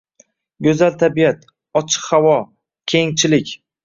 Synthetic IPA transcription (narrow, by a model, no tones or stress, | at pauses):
ɡʲɵzalt̪ʰabijat̪ | ɒt͡ʃʰɨ̥qhawɒ | kʲʰeŋt͡ʃʰɪlɪkʲ